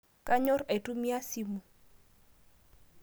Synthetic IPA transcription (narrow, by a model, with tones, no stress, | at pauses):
ka˦ɲɔ˦ɾe˨tu˦mi˦a˦si˦mu˨